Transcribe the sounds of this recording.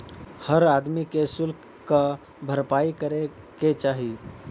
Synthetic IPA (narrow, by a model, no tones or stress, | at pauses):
həɾaːd̪mikesʊlk | kə | bʱəɾpaikəɾe | ket͡ʃaːɦi